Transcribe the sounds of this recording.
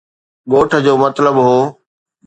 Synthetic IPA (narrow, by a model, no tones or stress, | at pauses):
ɠoːʈʰə̆d͡ʑoːmɐt̪ləbɦoː